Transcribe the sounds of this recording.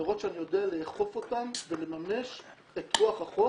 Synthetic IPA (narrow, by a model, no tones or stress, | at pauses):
aʁo̞t̪ʃeanijo̞dealeːχo̞fo̞tamve̞le̞mamne̞ʃ | etʁuaχaχo